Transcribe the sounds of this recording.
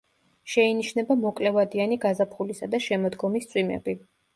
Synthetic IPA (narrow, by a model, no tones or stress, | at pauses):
ʃɛiniʃnɛbamɔkʼlɛvad̪ianiɡazapʰχulisad̪aʃɛmɔd̪ɡɔmist̪sʼwimɛ̰b̥i